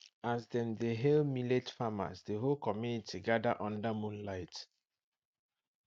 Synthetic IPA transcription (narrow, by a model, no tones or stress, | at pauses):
azðɛ̃mðeɦɛlmiletfama̰sðəɦolkɔmjunitʰiɡadəʔɔ̃ndamũnlaɪt